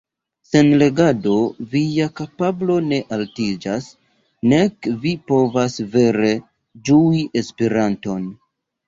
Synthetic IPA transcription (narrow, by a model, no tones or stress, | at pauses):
se̞nle̞ɡado̞vijakapablo̞ne̞ʔaltid͡ʒas | ne̞kvipo̞vasve̞ɾe̞ | d͡ʒuiʔespeɾanto̞n